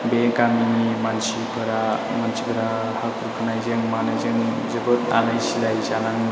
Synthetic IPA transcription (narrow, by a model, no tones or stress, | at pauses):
bekamimansipʰɯɾa | mansi̥pʰɯɾa | hakʰuɾukʰanajzeŋmanajzeŋ | zɯbɯta̰najsilajzanaŋ